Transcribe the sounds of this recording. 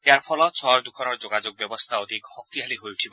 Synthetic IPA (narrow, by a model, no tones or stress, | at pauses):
eaɾpʰɔlɔt͡sʰɔɾd̪ukʰɔnɔɾd͡ʒoɡad͡ʒoɡ̚bjɔbɔst̪ʰaɔd̪ʱikhɔk̚t̪iɦaliɦojuʈʰibɔ